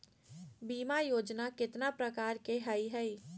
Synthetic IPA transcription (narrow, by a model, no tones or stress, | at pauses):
biːmajoːd͡ʒnakɪt̪napɾəkaːɾkeɦəiɦɛi